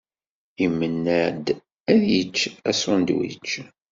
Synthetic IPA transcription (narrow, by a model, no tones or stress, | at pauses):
imːənːæd̪ | æðjət͡ʃːæsʊnd̪wḭt͡ʃː